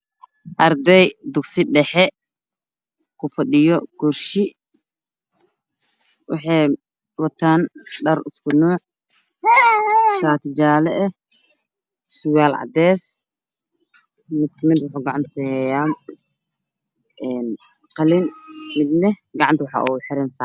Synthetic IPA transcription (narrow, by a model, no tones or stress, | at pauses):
ʔɐrd̪ɛjd̪ʊɡsɪɖɛħɛ | kʰʊfɐɗɪjɔɡ̥ʊrʃɪ | wɑ̰ħɑj | wɑt̪ʰaːnɖɐrɪskʰʊnɔːʕ | ʃaːt̪ʰɪd͡ʒaːlɛʔɛ | sʊwaːlʕɑ̰d̪ɛːs | mɪd̪̚kʰɐmɪd̪wʊħʊːɡɑʕɑnt̪ʰɐkʊhɛːjaː | ʔɛːn | qɑlɪnmɪd̪lɛɡɑʕɑnt̪ʰwɑħɑ̰ʔuħɪɾɛnsa